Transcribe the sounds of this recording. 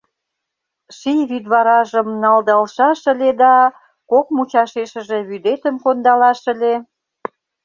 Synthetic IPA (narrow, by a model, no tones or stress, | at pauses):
ʃijβyd̪βɑɾɑʒə̆mnɑld̪ɑlʃɑʃə̆led̪ɑ | kokmut͡ɕɑʃeʃə̆ʒĕβyd̪et̪əmkond̪ɑlɑʃə̆le